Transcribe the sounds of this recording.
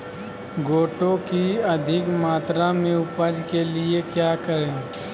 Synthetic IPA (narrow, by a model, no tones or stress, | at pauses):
ɡoːʈõkiɐd̪ʱɪkmaːt̪ɾamẽʊpəd͡ʒkeliekjaːkəɾẽː